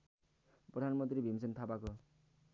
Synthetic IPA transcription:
prʌd̪ʱanmʌnt̪ɾibʱimisʌnt̪ʰabako

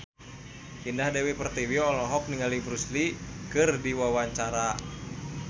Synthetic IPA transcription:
hindahdɛwipərt̪iwiɔlɔɦɔk̚niŋalibɾuslikɨrdiwawaɲt͡ʃaɾa

